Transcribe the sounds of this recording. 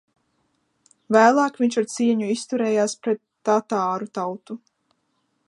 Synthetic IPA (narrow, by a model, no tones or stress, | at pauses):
væːlˠɑːkvʲiɲʲt͡ʃaɾt̪siɛɲuist̪uɾɛːjaːspɾɛt̪ːat̪aːɾut̪awt̪u